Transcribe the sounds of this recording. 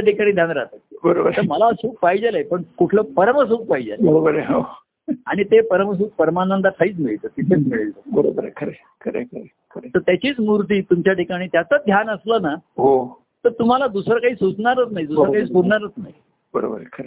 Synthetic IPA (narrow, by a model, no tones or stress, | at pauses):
aʈikaɽ̃iːd̪ʱjãnɾat̪əbəɾobəɾeəɾməlasuːk̚paɦid͡ʑaləepəɳkuʈʰləːpəɾəməs̬uːk̚paid͡ʑa̰lbəɾobəɾeɦo | a̰ɽ̃it̪epəɾəməs̬uːk̚pəɾmaãnd̪aʈʰaiːt͡smiɭit̪ət̪it̪ʰet͡smeɭelt̪əbəɾo̰bəɾekʰəɾe | kʰəɾḛkʰəɾe | kʰəɾet̪əɾt̪jat͡ɕiːt͡smuɾt̪̬iːt̪umt͡ɕjaʈikaɽ̃iːt̪jat͡səd̪ʱjanəsləːnaɦo | t̪əɾt̪um̤alad̪usɾakaɦiːsut͡sɳaɾət͡snaɦid̪usɾakaɦiːspuɾɳaɾət͡snaɦi | bəɾo̰bə̰ɾkʰəɾe